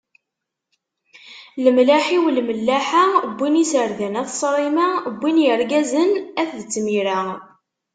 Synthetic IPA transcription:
ləmlaħiwlməlːæħabʷːinisəɾðænæθsˤɾˤimabːinjəɾɡæzənæθðət͡sːmiɾa

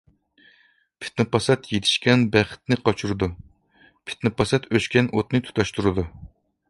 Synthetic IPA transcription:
pʰɪ̥t̪nɨpʰɑsɛt̪jet̪ʰɪ̥ʃkʲɛnbæχɪ̥t̪̚nɪqʰɑt͡ʃʰuɾɨd̪u | pʰɪ̥t̪nɨpɑsɛt̪øskʲɛnʔot̪nɨt̪ʰu̥t̪ʰɑʃt̪uɾɨd̪u

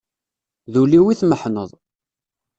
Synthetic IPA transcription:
ðuliwiθməħnəðˤ

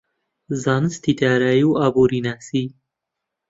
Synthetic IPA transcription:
zanst̪it̪aɾajuabuɾinasi

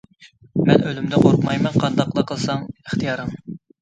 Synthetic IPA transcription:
mɛnʔølymd̪ɛqoɾqmɑjmɛnqʰɑnd̪ɑqlˠɑqʰːəlˠsɑŋəχt̪ʰijɑɾɨŋ

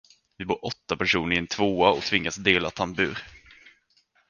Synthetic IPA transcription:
vɪbuːɾʔɔt̪ːapæʂuːnəɾɪɛnt̪ʰvoːaɔt̪ʰvɪŋːasd̪eːlat̪ʰanbʉ̟ːɾ

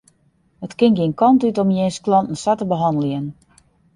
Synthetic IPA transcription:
hətkɪŋɡiənkʰɔntytomjeːnsklɔntn̩satəbəɦɑndəlˠiən

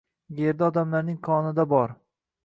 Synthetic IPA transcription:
ɡʲeɾd̪aɒd̪amlaɾnɪŋkʰɒnɪd̪abɒɾ

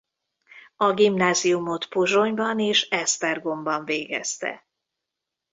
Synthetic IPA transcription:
ɒɡimnaːziumo̞t̪pozo̞ɲbɒneːʃɛst̪ɛrɡo̞mbɒɱveːɡɛ̰st̪ɛ̰

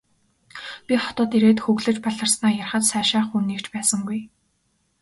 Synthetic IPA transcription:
pʲiχɔ̥t̪ɔːt̪iɾeːt̪xɵɣɮɘ̆t͡ɕpaɮə̆rsnaːjarχə̆t̪sæːʃaːχunːiːkt͡ɕpæːsə̆ŋɡuj

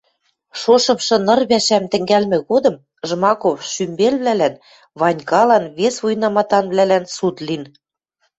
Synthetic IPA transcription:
ʃoʃɤ̆mʃɤ̆nɤ̆rβæʃæmt̪ɘ̆ŋɡælmɘ̆ɣod̪ɤ̆m | ʒmɑkofʃymbelβlælæn | βɑnʲkɑlɑnβesβujnɑmɑt̪ɑnβlælænsut̪lin

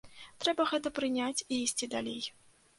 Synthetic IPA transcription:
t̪ɾɛbɐɣɛt̪ɐpɾɨnʲat͡sʲiisʲt͡sʲid̪a̰lʲḛj

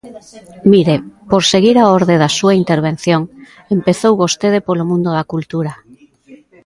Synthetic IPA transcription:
miɾepoɾseɣiɾaoɾðeðasuaint̪eɾβ̞en̟θjoŋ | empeθowβost̪eðepolomũnd̪oðakult̪uɾa

